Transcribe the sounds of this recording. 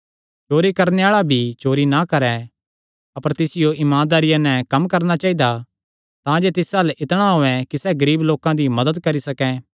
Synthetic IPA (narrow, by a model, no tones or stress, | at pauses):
t͡ʃoːɾikɐɾneaːɭabʱit͡ʃoːɾinakɐɾɛ | ɐpəɾt̪ɪsɪjoʔɪmãːnd̪aːɾɪjanɛ̃kɐmkɐɾnat͡ʃaːid̪a | t̪ãd͡ʒet̪ɪsaːlʔɪt̪ɽ̃aɦoːɛkisɛɡɐɾiːbloːkãd̪imɐd̪əd̪kɐɾisɐkɛ